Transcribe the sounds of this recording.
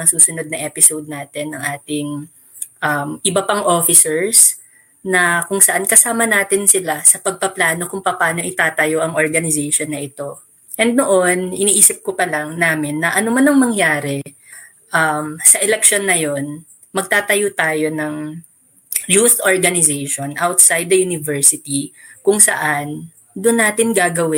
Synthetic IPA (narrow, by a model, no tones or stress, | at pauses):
ŋɐsuːsʊno̞d̪̚nɐŋʔɛpɪsowd̪̚naːt̪ɛnːɐŋʔaːt̪ɪŋ | ʔɐmʔɪbɐpɐŋʔo̞fɪsɛɹs | nɐkʊŋsɐʔankɐsaːmɐnaːt̪ɪnsɪlasɐpɐɡ̚pɐplaːno̞kʊŋpɐpaːno̞ʔɪt̪aːt̪ɐjoʔɐŋʔoɹɡɐnɪzɛʃonːɐʔɪt̪o̞ | ʔɛnd̪̚noʔo̞nɪniːʔiːsɪp̚kopɐlɐŋnaːmɪnːɐʔɐnomanɐŋmɐŋjaːɾɛ | ʔamsɐʔɛlɛk̚ʃo̞nːɐjo̞n | mɐɡ̚t̪aːt̪ɐjot̪aːjo̞nɐŋ | juθʔoɹɡɐnɪzɛjʃonʔawt̪̚sajd̪̚ːɐjunɪvɛɹsɪt̪ikʊŋsɐ̰ʔan | d̪ʊnːaːt̪ɪnɡaːɡɐwɪ